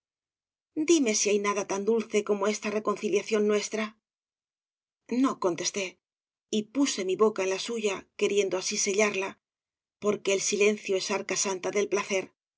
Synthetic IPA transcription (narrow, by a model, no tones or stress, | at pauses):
d̪ime̞siajnaðat̪and̪ulθe̞ko̞mo̞e̞st̪areko̞nθiljaθjo̞nːwe̞st̪ɾa | no̞ko̞nt̪e̞st̪e̞ | ipuse̞miβo̞kae̞nlasuʝake̞ɾje̞nd̪oasise̞ʎaɾla | po̞ɾke̞ːlsile̞n̟θjo̞e̞saɾkasant̪aðe̞lplaθe̞ɾ